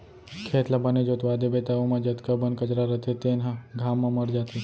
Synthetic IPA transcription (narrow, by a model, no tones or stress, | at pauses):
kʰeːt̪labəned͡ʒot̪ʋaːd̪ebet̪aʋomãd͡ʒət̪kabənkət͡ʃɾaɾət̪ʰet̪enɦãɡʱamːãməɾd͡ʒat̪ʰi